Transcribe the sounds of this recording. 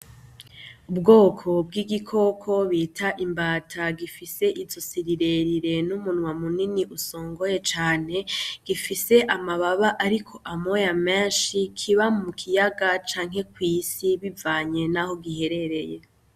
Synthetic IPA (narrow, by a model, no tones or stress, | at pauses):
ubɡo̞ːkʰo̞b̚ɡiːɡikʰo̞kʰo̞βiːtʰaʔimbaːtʰaɡifise̞ʔizosiɾiɾe̞ɾiɾe̞numunŋwamuniniʔusoːŋɡo̞je̞t͡ʃaːne̞ɡ̥ifise̞ʔamaβaβaʔaɾikʰo̞ʔamojameːnʃikʰiβamukʰijaɡat͡ʃaːŋɦe̞kwiːsiβivaːɲe̞naho̞ɡihe̞ɾe̞ɾe̞je